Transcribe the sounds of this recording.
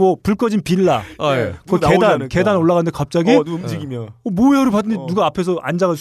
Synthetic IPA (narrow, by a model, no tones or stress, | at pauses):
ʌpuɭk͈ʌd͡ʑinpiɭːakʌkedanke̞danoɭːaɡɣanɯndekap̚t͡ɕ͈aɡid͡ʑiɡimomoeʌɾɯɭp̬adɯɲenuɡaːpʰe̞sʰʌʔa̰nd͡ʑaɡad͡ʑu